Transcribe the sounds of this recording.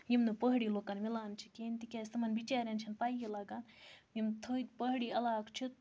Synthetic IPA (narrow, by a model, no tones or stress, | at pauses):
jimnɨpəɦɽiːloːkɐnmilaːnt͡ʃʰi̥keːnt̪ikʲaːsɐmɐnbit͡ʃaːɾjɐnt͡ʃʰɐnpaːjjilaːɡanjimt̪ʰopəɦɽiɐlaːkt͡ʃʰit̪̚